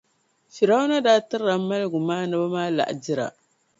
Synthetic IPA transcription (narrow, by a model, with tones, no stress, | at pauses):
fi˨ɾa˦wna˦da˦tɨ˦ɾa˨˦a˦lɡu˨maː˦na˦ba˦maː˦la̰˨ʔdi˦ɾa̰˨